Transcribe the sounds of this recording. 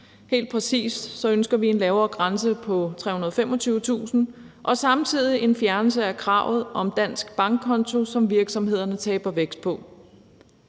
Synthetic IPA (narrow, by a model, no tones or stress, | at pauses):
he̝̰ːld̥̚pʰʁɛsḭːsd̥sɒ̽ønsɡ̥ɐʋie̝nlɛːʊɐːɡ̥ʁansəpʰɒ̽t͡sʰʁɛ̰ːunɐðˠfem̰ɒ̽t͡sʰyːʊət͡sʰṵːsn̩ | ʔɒ̽sɑ̈mt͡sʰið̰ˠiʔe̝nfjæɐnl̩s̬əækʰʁɑ̈ʊ̰ð̞̩ˠʔɒ̽md̥æn̰sɡ̥b̥ɑ̈ŋɡ̥̚ʰɒ̽nt͡sʰo̝sɒ̽mʋiɐɡ̥sɒ̽mhe̝ð̞̰ˠɐnət͡sʰɛːb̥ɐʋeɡ̥sd̥pʰɒ̽